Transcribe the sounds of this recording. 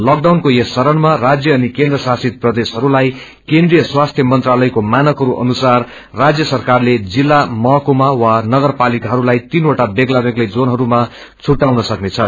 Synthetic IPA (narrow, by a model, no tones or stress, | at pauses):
lʌk̚ɖawnkoesːʌɾʌnmarad͡zjʌːnikẽnd̪rʌsasit̪̚prʌd̪esɦʌɾulaj | kẽnd̪rijʌswast̪ʰjʌmʌnt̪ralʌjkomanʌkɦʌɾuʔʌ̰nusarː | ad͡zjʌsʌrkarled͡zilːamʌɦʌkomawanʌɡʌrpalikaɦʌɾulajt̪inoʈabeɡlabeɡlejd͡zonɦʌɾuma | t͡sʰuʈːawnʌsʌknet͡sʰʌ